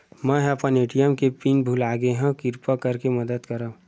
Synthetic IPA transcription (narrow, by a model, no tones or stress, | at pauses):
mɛ̃ɦəpəneːʈijəmkepiːnbʱulaːɡeɦɛ̃kɪɾpakɐɾkemɐd̪əd̪kɐɾa